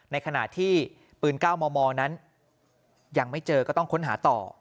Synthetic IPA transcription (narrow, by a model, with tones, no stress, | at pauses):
na˧jkʰa˧na̰˨˩t̪ʰiː˥˩ | pɯː˧nkaː˥˩wmɔː˧mɔː˧na˦˥n | jaː˨˩ŋma˥˩jt͡ɕɤː˧kɔː˥˩t̪ɔ˥˩ŋkʰo˦˥nɦaː˩˦t̪ɔ̰ː˨˩